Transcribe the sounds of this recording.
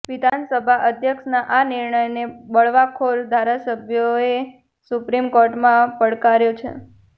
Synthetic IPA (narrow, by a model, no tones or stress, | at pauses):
ʋid̪ʱansəbʱaʔəd̪ʱjəkʃnaʔaniɾɳəjnebəɭʋakʰoɾd̪ʱaɾasəbʱjoe | supɾimkoɾʈmãpəɭkaɾjot͡ʃʰḛ